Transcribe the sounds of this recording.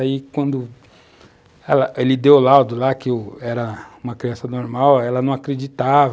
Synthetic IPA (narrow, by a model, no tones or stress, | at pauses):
aikwɐ̃nd̪ʊ | ɛlɐʔelɪd̪ewlad̪ʊlakɪɛɾɐũmɐkɾiɐ̃sɐnoɾmawɛlɐnɐ̃w̃akɾed͡ʒit̪avɐ